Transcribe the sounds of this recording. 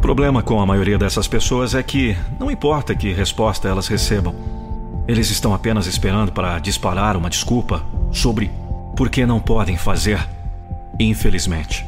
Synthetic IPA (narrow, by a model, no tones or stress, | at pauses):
ʊpɾoblẽmɐkõw̃ɐmajoɾiɐd̪ɛsɐspesoɐzɛkɪnɐ̃w̃ĩpɔɾt̪ɐkɪɦespɔst̪ɐɛlɐzhesebɐ̃w̃elɪzɪst̪ɐ̃w̃apẽnɐzɪspeɾɐ̃nd̪ʊpaɾɐd͡ʒispaɾaɾũmɐd͡ʒiskupɐsobɾɪpoɾkenɐ̃w̃pɔd̪ẽj̃fazeɾ | ĩfelizmẽnt͡ʃɪ̥